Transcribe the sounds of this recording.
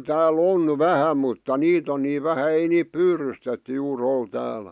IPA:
tæːl on ʋæhæ mutːɑ niːt on niː ʋæhæ ei niːp pyrystetːy juːr ol tæːlæ̥

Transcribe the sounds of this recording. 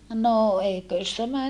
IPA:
no eikøˑs tæmæ

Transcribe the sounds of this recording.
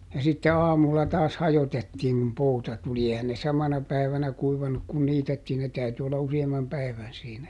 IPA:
jɑ sitːe ɑːmulːɑ tɑːs hɑjotetːiːŋ kum poutɑ tuli ehæn ne sɑmɑnɑ pæiʋænæ kuiʋɑnuk kun niːtetːiːn ne tæyty olːɑ usiɑmːɑm pæi̯ʋæn siːnæ

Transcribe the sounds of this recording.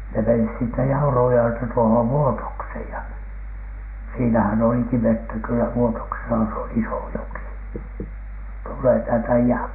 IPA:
ne menis siːtːæ jɑurujːoeltɑ tuohoʋ ʋuotoksheˑj jɑ siːnæhæn oliki ʋetːæ kylːæ ʋuotoksesɑ se on iso joki tulːeː tæːltæ iæm

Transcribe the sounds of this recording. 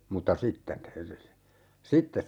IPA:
mutːɑ sitːen sitːes

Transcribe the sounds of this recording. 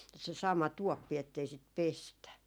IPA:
se sɑmɑ tuopːi etːei sit pestæ

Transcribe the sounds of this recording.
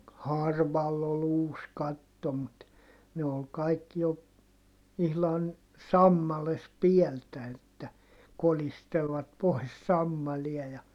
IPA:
hɑrʋɑlː ol uːs kɑtːo mut ne ol kɑikːi jo ihlɑn sɑmːɑles piɛltæ etːæ kolistelʋɑt pois sɑmːɑliɑ jɑ

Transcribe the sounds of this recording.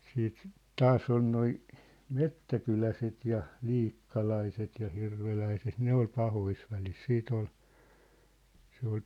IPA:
siːt tɑːsˑ on noi metːækylæset jɑ liːkːɑlɑiset jɑ hirʋelæiset ne ol pɑhois ʋælis siːt ol se ol

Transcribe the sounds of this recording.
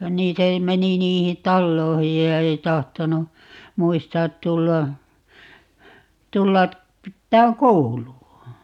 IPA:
niː se meni niːhin tɑlːoihij jɑ ei tɑhtonu muistɑːt tulːɑ tulːɑ pitːæːŋ kouluɑ

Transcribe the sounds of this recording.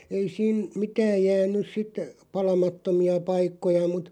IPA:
ei siːn̞ mitæːj̆ jæːnˑys sit pɑlɑmɑtːomiɑ pɑikːojɑ mut

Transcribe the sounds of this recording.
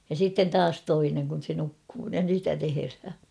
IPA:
jɑ siːtːen tɑːs toineŋ kun̞ se nukːuː jɑ sitæ teherhæ

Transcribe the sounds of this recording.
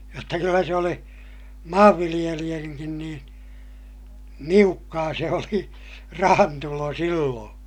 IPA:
jotːɑ kylːæ se oli mɑːʋːilij̆elij̆æŋkin niːn niukːɑː se oli rɑhɑntulo silːõː

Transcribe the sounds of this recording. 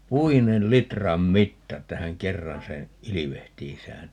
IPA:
puinel litrɑm mitːɑ etːæ hæŋ kerːɑn seː iliʋehtiːsæːn

